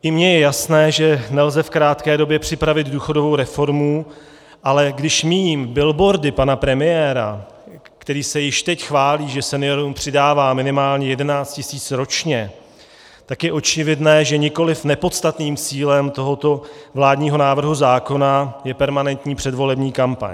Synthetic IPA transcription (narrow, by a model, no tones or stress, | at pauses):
ʔɪmɲɛjɛjasnɛːʒɛnɛlzɛfkɾaːt̪kɛːdo̞bjɛpr̝̥ɪpɾavɪd̪duːxo̞do̞vo̞wɾɛfo̞ɾmu | ʔalɛɡdɪʃmiːmbɪlbo̞ɾdɪpanapɾɛmɪjɛːɾa̰ | kt̪ɛɾiːsɛjɪʃt̪ɛcxvaːliːʒɛsɛnɪjo̞ɾumpr̝̥ɪdaːvaːmɪnɪmaːlɲɛjɛdɛnaːt͡st̪cɪsiːt͡sɾo̞t͡ʃɲɛ | t̪akjɛʔo̞t͡ʃɪvɪdnɛːʒɛɲɪko̞lɪfnɛpo̞t̪st̪at̪niːmt͡siːlɛmt̪o̞ɦo̞t̪o̞vlaːdɲiːɦo̞naːvr̩ɦuzaːko̞najɛpɛɾmanɛnt̪ɲiːpr̥ɛdvo̞lɛbɲiːkampa̰ɲ